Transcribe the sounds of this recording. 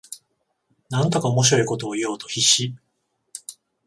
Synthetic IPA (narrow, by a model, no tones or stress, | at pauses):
nãnt̪o̞kaomo̞ɕiɾo̞iko̞t̪o̞ːijo̞ːt̪o̞çiɕi